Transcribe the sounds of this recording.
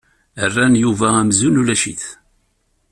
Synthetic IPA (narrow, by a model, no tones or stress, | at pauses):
ərːænjuvææmzunulæʃiθ